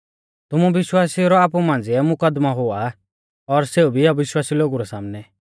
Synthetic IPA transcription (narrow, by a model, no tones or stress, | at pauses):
t̪ʊmũbɪʃwaːsiɾɔaːp̬umãːn̆d͡ziɛmʊkəd̪maɦoa | ɔɾseubʱiaʋɪʃwaːsiloɡuɾɔsa̰ːmnɛ